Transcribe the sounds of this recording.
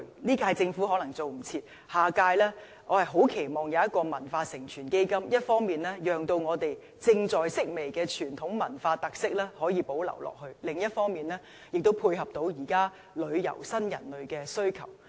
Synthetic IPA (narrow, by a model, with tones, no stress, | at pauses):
niː˥kaː˧jt͡sɪ˧ŋfuː˨˥ɦɔː˨˥lɐ˨˩ŋt͡so˨wm̩˨˩t͡sʰiː˧t̚ | haː˨kaː˧jlɛː˥ | ŋɔː˨˧hɐ˨jɦo˨˥wkʰe˨˩jmɔː˨˩ŋjɐ˨˧wjɐ˥t̚kɔː˧mɐ˨˩nfaː˧sɪ˨˩ŋt͡ʃʰyː˨˩nke˥jkɐ˥mjɐ˥t̚fɔː˥ŋmiː˨nlɛː˥jœː˨ŋt̪o˧wŋɔː˨˧t̪e˨j | t͡sɪ˧ŋt͡sɔː˨jsɪ˥k̚me˨˩jkɛː˧t͡ʃʰyː˨˩nt̪ʰʊ˨˥ŋmɐ˨˩nfaː˧t̪ɐ˨k̚sɪ˥k̚lɛː˥hɔː˨˥jiː˨˧po˨˥wlɐ̰˨˩wlɔ̰ː˨˩k̚hɵ˧ɥlɪ˨ŋjɐ˥t̚fɔː˥ŋmiː˨nlɛː˥ | jɪ˨k̚t̪o˥wpʰuː˧jhɐ˨p̚t̪o˨˧wjiː˨˩kaː˥ | lɵ˨˧ɥjɐ̰˨˩wsɐ˥njɐ̰˨˩nlɵ˨ɥkɛː˧sɵ˥ɥkʰɐ˨˩w